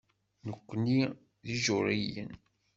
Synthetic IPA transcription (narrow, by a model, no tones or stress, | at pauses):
nəkʷːni | ðiʒʊɾijə̰n